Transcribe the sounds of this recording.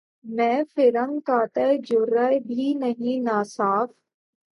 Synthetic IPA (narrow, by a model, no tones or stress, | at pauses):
mɛ̃ːfɪɾə̃ŋkaːt̪əjd͡ʒʊɾaebʱinɐɦĩnaːsaːf